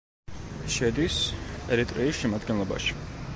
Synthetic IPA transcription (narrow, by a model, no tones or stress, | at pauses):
ʃɛd̪isɛɾit̪ʼɾiːsʃɛmad̪ɡɛnlˠɔba̰ʃi̥